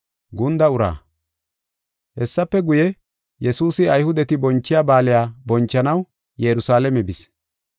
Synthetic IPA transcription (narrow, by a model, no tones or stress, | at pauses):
ɡʊnd̪ɐʊɾa̰ː | hɛsːɐpːɛɡʊjɛ | jɛsuːsɪɐjhʊd̪ɛt̪ɪbɔnt͡ʃːɪjaːbaːlɪjaːbɔnt͡ʃːɐnɐw | jɛɾʊsaːlɛmɛbɪs